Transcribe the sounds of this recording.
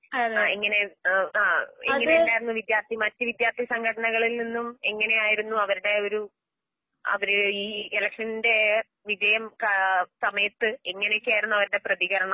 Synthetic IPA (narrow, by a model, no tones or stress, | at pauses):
iŋːɐne̞aːeŋːɐneendaːjiɾunːuʋid̪jaːrt̪ʰimɐtːɨʋid̪jaːrt̪ʰisɐŋɡɐɽɐɳɐɣɐɭilninːumeŋːɐne̞jaːjiɾunːuɐʋɐɾuɽe̞o̞ɾu | ɐ̰ʋɐɾɨiːelɐkʂɐninde̞ | ʋid͡ʑɐjɐmksɐmɐjɐt̪ːɨeŋːɐnejokʲːaːjiɾunːuɐʋɐɾuɽe̞prɐðiɣɐɾɐɳɐ